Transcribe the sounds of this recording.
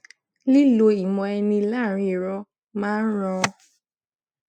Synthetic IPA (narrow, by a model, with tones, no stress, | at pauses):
li˦lo˧i˨mɔ̃˧ɛ˧nĩ˧˦la˦˨ɾ̃ĩ˧˨ɾɔ˧˦ | mãː˦n̩˦ɾ̃ɔ̃˧